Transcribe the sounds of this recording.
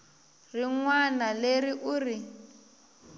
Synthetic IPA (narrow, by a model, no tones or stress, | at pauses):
riŋwanaleriʔuri